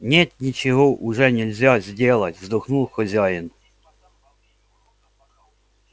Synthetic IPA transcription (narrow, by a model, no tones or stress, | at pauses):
nʲet̪nʲit͡ɕɪɦɔʔʊʐɛnʲɪlʲzʲazʲdʲelˠɐtʲvzd̪ɔxnulˠxɔzʲajɪn